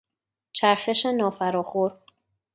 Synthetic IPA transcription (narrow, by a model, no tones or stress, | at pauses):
t͡ʃʰæɾxe̞ʃenɒːfæɾɒːxoɾ